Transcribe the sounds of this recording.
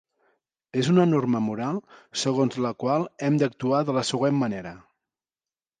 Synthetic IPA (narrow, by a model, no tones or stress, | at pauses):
ezunənorməmuɾalˠsəɣ̞onzləkwalˠɛmd̪ək̚t̪uaðələsəɣwemːəneɾə